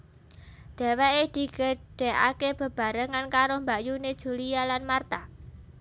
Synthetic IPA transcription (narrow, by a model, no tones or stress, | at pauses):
d̪̥e̤weʔed̪̥i̤kəɖ̥ɛ̤ʔa̰keb̥ə̤b̥a̤ɾəŋankaɾombaʔjuned̥ʒ̥ṳlijalanmart̪a